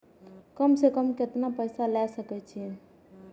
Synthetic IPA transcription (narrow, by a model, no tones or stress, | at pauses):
kəmsekəmket̪napəjsalɛsəkɛt͡ʃʰi